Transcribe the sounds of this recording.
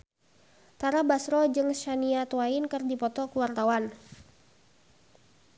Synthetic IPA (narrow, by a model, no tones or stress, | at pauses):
t̪aɾabasɾɔd͡ʒɨŋʃaniat̪uwainkɨrdipɔt̪ɔkuwart̪awan